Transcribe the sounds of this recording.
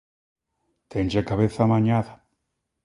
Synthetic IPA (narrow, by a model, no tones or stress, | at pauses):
t̪end͡ʒekaβeθamaɲaða